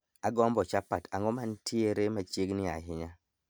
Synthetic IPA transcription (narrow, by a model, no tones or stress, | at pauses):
aɡɔmbɔt͡ʃapatʰaŋɔmantʰieɾemat͡ʃeɡnɪa̰ɦɪɲa